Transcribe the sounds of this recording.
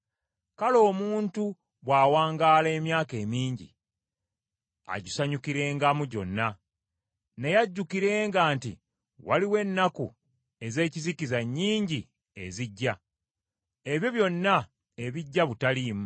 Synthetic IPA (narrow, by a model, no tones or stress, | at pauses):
kalo̞ːmuːntu | βwaːwaːŋɡaːle̞ːmjaːke̞ːmiːɲɟḭ | a̰ɟusaɲukiɾe̞ːŋɡamuɟo̞̰nːa | ne̞jaɟːukiɾe̞ːŋɡaːnti | waliwe̞nːakṵ | e̞ze̞ːcizikizaɲːiːɲɟi | e̞ziɟːa | e̞βjo̞βjo̞nːa | e̞βiɟːaβutaliːmu